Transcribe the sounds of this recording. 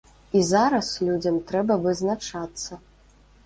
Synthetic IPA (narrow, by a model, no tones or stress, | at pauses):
izaɾɐslʲud͡zʲɐmt̪ɾɛbɐvɨznat͡ʂat̪sːɐ